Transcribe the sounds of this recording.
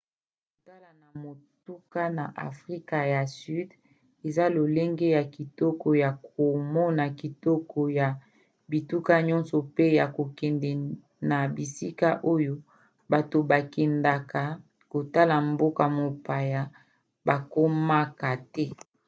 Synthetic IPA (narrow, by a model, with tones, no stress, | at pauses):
ko˨ta˦la˨na˨mo˨tu˦ka˦na˨ʔa̰˨fʁi˦ka˨ja˨sy˦d | e˨za˦lo˨le˦ŋɡe˦ja˨ki˨tɔ˦kɔ˨ja˨kʰo˨mɔ˦na˨ki˨tɔ˦kɔ˨ja˨ | bi˨tu˦ka˦ɲɔ˦nsɔ˨pe˦ja˨ko˨kɛ˨ndɛ˨ | na˨bi˨si˦ka˦ʔo˦jo˦ | ba˨to˨ba˨kɛ˨nda˨ka˨ | ko˨ta˦la˨mbo˦ka˨mo˨pa˨ja˨ | ba˨ko˦ma˦ka˨tɛ˦